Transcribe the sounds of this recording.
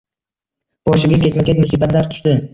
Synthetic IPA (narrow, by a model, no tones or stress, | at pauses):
bɒʃɪɡʲakʲʰe̞t̪makʲet̪mʊsiːbat̪laɾt̪ʰʊ̥ʃd̪ɪ